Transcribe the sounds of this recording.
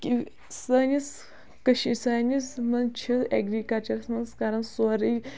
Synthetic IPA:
kʲi | sɐːnʲis | kɐʃisaːnʲismɐnt͡ʃʰiḛɡɾikɐt͡ʃɐɾsnɐskaɾɐnsɔɾɨ

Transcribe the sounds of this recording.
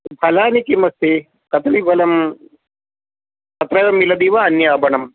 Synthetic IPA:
bʰʱɐlaːnikimɐst̪e | kɐt̪ɾiʋɐlɐm | kɐt̪ɾɐjɐmːilɐd̪iːʋaɐnjaːbɐnɐm

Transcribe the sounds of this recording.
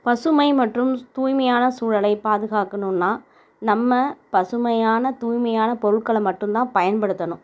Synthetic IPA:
pɐsɯmɐɪmɐʈrɯmt̪uːjmɐjaːnɐsuːɻɐlɐɪpaːðɯɣaːkɐnɯnːaː | nɐmːɐpɐsɯmɐjaːnɐt̪uːjmɐjaːnɐpɔɾɯɭkɐɭɐmːɐʈːɯmt̪ãːpɐjɐnpɐɽɯt̪ːɐnʊ̃

